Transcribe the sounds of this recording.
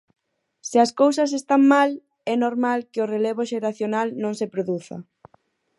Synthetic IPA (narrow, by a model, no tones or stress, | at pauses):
sɪɐskows̬ɐs̬est̪aŋmal | ɛnoɾmalkɪʊreleβ̞ʊʃeɾaθjonalnõŋsepɾoðuθɐ̰